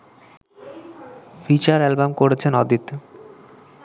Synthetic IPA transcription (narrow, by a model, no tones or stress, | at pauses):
fit͡ɕaɾɛlbamkoɾet͡ɕʰenɔd̪ʱit̪